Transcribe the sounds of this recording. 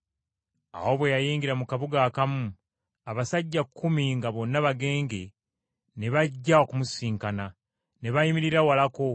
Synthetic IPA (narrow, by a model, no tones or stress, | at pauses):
a̰wo̞βwe̞jajiːŋɡiɾamukaβuɡakamu | aβasaɟːakʰːumiŋɡaβo̞nːaβaɡe̞ːŋɡe̞ | ne̞βaɟːaokumusiːŋkana | ne̞βajimiɾiɾawalako̞